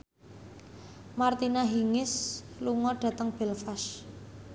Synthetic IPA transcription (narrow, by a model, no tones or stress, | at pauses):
mart̪inaɦiŋɪsluŋɔɖ̥a̤t̪əŋb̥ɛlfaʃ